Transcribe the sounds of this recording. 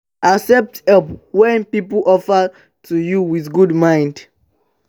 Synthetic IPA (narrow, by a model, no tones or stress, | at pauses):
ʔaksɛp̚thɛpwɛ̃npip̩ʔɔfə | tʰujuwiθɡudmãj̃nd